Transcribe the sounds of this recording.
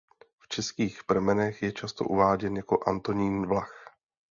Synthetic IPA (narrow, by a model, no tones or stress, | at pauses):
ft͡ʃɛskiːxpr̩mɛnɛxjɛt͡ʃast̪o̞̰ʔuvaːɟɛnjako̞ʔant̪o̞ɲiːnvlax